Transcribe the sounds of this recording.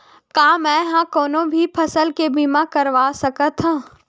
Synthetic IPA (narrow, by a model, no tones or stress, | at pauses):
kaːmɛ̃ːɦãkɔːnõbʱipʰɐsəlkebimakɐɾʋaːsɐkət̪ɦãː